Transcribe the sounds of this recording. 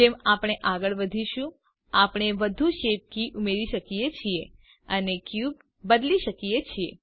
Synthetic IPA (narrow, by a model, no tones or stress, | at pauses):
d͡ʒemapɽ̃eʔaɡəɭʋəd̪ʱiʃũ | apɳ̃eʋəd̪ʱuʃep̚kiʔumeɾiʃəkijet͡ʃʰie | ənekjub | bəd̪liʃəkijet͡ʃʰie